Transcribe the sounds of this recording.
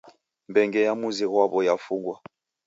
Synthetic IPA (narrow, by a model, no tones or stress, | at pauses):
mbɛŋɡɛjamuziɣwaβɔjafuɡwa